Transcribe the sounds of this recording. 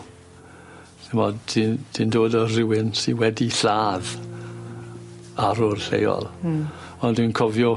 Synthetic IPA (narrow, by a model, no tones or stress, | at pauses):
θɪmɔdid̥indoːdɔrɪwɪnsiwɛdiɬaːð | aɾʊrɬḛjɔ̰lˠ | ɔndwinkʰɔvjɔ